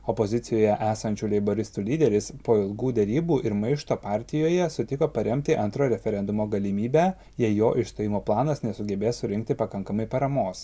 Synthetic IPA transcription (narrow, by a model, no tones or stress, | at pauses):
ɔpozʲɪt̪sʲɪjoːjɛʔæːsɐnʲt͡ʃʲuːlʲɛɪboɾʲɪst̪uːlʲiːd̪ʲɛɾʲɪspoːɪlˠɡuːd̪ʲɛɾʲiːbuːʔɪɾmɐɪʃt̪oːpɑːɾʲt̪ʲɪjoːjɛsʊt̪ʲɪkoːpɐɾʲɛmʲt̪ʲɪʔɐnt̪ɾoːɾʲɛfʲɛɾʲɛnd̪ʊmoːɡɐlʲɪmʲiːbʲæː | jɛjoːʔɪʃt̪oːjɪmoːplˠɑːnɐsnʲɛsʊɡʲɛbʲeːssʊɾʲɪŋkt̪ʲɪpɐkɐŋkɐmɐɪpɐɾɐmoːs